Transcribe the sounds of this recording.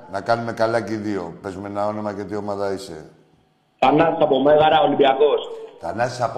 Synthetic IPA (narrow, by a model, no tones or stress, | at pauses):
nakanume̞kalaciðiope̞zumenao̞nomacet̪iomaðɐisḛ | t̪anasapomeɣaɾaolibiaɣost̪anasap